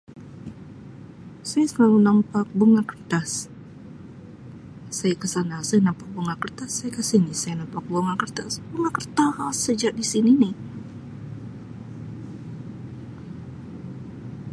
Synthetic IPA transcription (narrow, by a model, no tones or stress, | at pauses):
sajasəkalunampak̚buŋakərt̪as | ajakəsanasajanampak̚buŋakərt̪asːajakəsinisajanampak̚boŋakərt̪asbuŋakərt̪asəd͡ʒaʔ̚disininɪh